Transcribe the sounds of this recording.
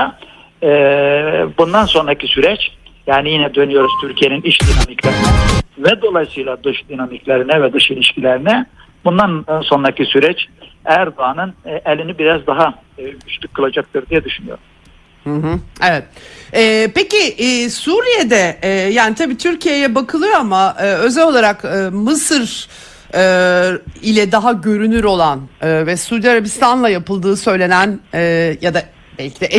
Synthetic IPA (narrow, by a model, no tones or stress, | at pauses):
a | ɛːbund̪anso̞nɾacʰisyɾɛt͡ʃjaːnijinɛd̪ø̞nyjo̞ɾuz̥t̪ʰyɾcʰije̞niniʃd̪inamiclʲeɾinɛvɛd̪o̞lˠajsɯjlˠad̪ɯʃd̪inamiclʲeɾinɛvɛd̪ɯʃilʲiʃcilʲeɾinɛ | bund̪anso̞nɾacisyɾɛt͡ʃæɾd̪oanɯnʔɛlʲinibiɾazd̪aɦa | ɟyt͡ʃlʲykʰːɯlˠad͡ʒak̚t̪ʰɯɾd̪ijɛd̪yʃynyjo̞̰ɾum | hɯ̃ɦɯevɛt̪̚ɛpeciʔsuːɾijed̪ɛjaːnit̪ʰabiːt̪ʰyɾcʰije̞jɛbakʰɯlˠɯjo̞amaʔɯːø̞zɛlʲo̞lˠaɾakɯmɯsɯɾ | ɯːilʲɛd̪aɦaɟø̞ɾynyɾo̞lˠanɯːvɛsuːd̪ijaɾabist̪ʰanlˠajapɯlˠd̪ɯːsø̞jlʲe̞nænɛːjad̪a | bɛlʲcʰid̪ɛʔ